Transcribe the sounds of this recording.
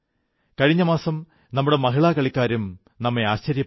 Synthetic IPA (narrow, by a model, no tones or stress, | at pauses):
kɐɻiɲːɐmaːsɐm | nɐmːuɽemɐɦiɭaːkɐɭikʲːaːɾum | nɐmːeaːɕt͡ɕɐɾjɐ